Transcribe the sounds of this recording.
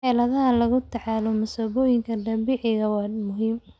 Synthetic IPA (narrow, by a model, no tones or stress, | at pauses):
ħɛːlɐðɐɦɐlɐɣʊt̪ʰʕɑːlɔmɐsɐβɔːjɪŋkʰɐdɐbɪʕɪɣɐwɑːmʊɦiːm